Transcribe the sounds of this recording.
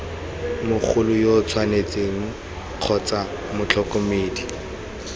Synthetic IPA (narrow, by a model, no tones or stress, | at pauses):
mʊk͡xʰʊlʊjot͡sʰwanet͡seŋ̩ | q͡χʰɔt͡sa | mʊt͡ɬʰɔkomeːdi